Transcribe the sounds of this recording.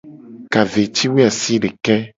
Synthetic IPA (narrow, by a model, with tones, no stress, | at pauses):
ka˨ve˨t͡ʃi˦we˦a˨si˦ɖe˨kɛ˦